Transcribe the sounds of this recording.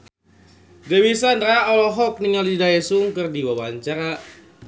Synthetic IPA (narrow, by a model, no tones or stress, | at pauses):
dewisandɾaɔlɔɦɔk̚niŋaldidaɛsuŋkɨrdiwawaɲt͡ʃaɾa